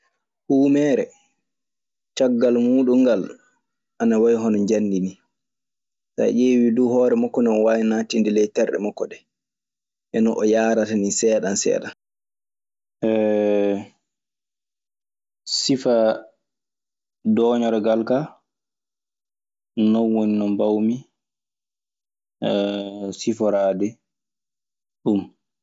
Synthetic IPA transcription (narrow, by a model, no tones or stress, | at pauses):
huːmɛɾɛ | t͡ʃaɡːalmuːɗuŋːɡal | ʔanawajɦɔnɔɲd͡ʒanːdini | sa̰ʔeːwiduhɔːɾɛmɔkːɔnɛɔwaːjnaːtindilɛjtɛɾɗɛ̰mɔkːɔɗɛ | ʔɛnɔʔɔjaːɾatanisɛːɗansɛ̰ːɗan | ʔɛ | sifa | dɔːɲɔɾɔɡalka | nɔnwoninɔmbawmi | sifɔɾaːdɛ | ɗum